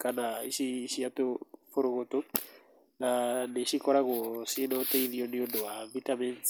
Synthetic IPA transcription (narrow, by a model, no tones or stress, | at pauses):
kanaiʃiʃiatofoɾokoto | naneʃikɔɾakosinɔteiðioniondowavitamɛns